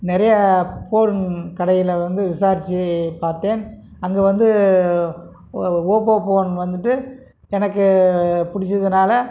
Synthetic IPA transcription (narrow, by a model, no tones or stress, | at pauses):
nɪɾɐjɐpoːɾnkɐɽɐjɪlʋɐnd̪ɯʋɪsaːɾɪt͡ʃːipaːɾt̪eːn | ɐŋɡeːʋɐnd̪ɯ | oːpoːpoːnʋɐnd̪ɯʈːɯ | ɛnɐkːɯpʊɽɪt͡ʃːɐðɯnaːlɐ